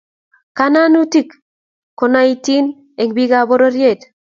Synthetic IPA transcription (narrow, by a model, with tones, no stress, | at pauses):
ka˦na˦nu˦ti˦˨k | ko˨na˦i˨ti˦n | e˨ŋbi˦ɡa˨bo˦ɾo˦ɾje˦˨t̪